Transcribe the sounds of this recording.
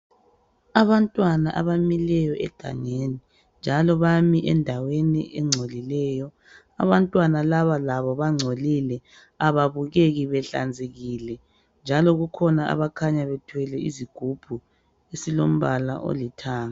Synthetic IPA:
aβantʼwanaʔaβamilɛjɔʔɛ̰ɡ̥ʱa̰ŋeni | nd͡ʒʱalɔβamiʔɛndʱawenḭʔɛŋ͡ǀʱolilɛːjɔ | a̰βantʼwanalaβalaβɔβaŋ͡ǀʱolilɛ | aβaβuɣeɣiβɛɬa̰nd͡zʱeɣiːlɛ | nd͡ʒʱalɔɣukʰɔnaa̰βakʰaɲaβɛtʰwɛlɛiziɡ̥ʱub̥ʱu | esilo̰m̩βala̰ʔo̰litʰaːŋa

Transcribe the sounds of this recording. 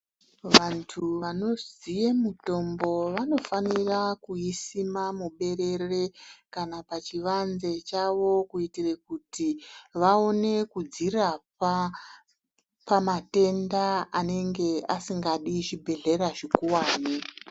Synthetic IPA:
ʋantʰuʋano̞zijemuto̞mbo̞ʋano̞fanirakuisimamuɓe̞ɾe̞re̞kanapat͡ʃiʋanze̞t͡ʃaʋo̞kuitirekutiʋaone̞kud͡zirap̚a | pamate̞ndaane̞ŋɡe̞asiŋɡaɗit͡ʃibʱe̞ɮe̞ɾaʐikuwaːne

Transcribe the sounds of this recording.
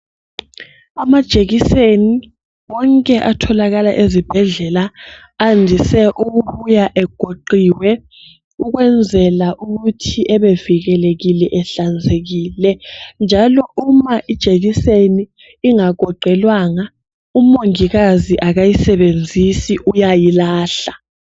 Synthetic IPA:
amad̥ʒ̥ʱeɣiseni | wɔŋkʼɛʔatʰɔlaɣalaʔezib̥ʱɛɮɛla | andʱisɛʔuɣuβujaʔɛɡ̥ʱoǃiwɛ | uɣwɛnd͡zʱɛlaʔuɣutʰiʔɛβeviɣɛleɣilɛʔɛɬand͡zʱeɣiːlɛnd͡ʒʱalɔumaʔid̥ʒ̥ʱeɣiseniː | ŋaɡ̥ʱɔǃʱɛlwaŋa | umoŋiɣaziʔaɣajisɛβend͡zʱisiʔujajilaːɬa

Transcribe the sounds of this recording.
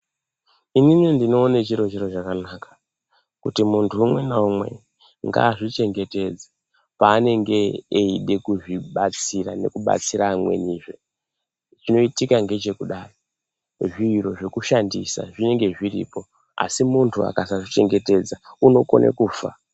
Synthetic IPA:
ininindino̞ːnet͡ʃiɾot͡ʃeɾot͡ʃakanakḁ | kutimuntʰuːmwe̞naumwe̞̰ | ŋɡa̰ːʐit͡ʃe̞ŋɡe̞te̞d͡za | paːne̞ŋɡe̞ːiɗe̞kuʐiɓat͡sira̰ne̞̰kuɓa̰t͡siɾaːmwe̞̰niːʐe | t͡ʃino̞itikaŋɡe̞t͡ʃe̞kuɗaːro | ʐiro̞ʐe̞kuʃandḭsa̰ʐine̞ŋɡe̞ʐirḭːpo̞ | a̰simuntʰua̰kasaʐit͡ʃe̞ŋɡe̞te̞d͡zauno̞ko̞̰nʔḛkuːfa̰

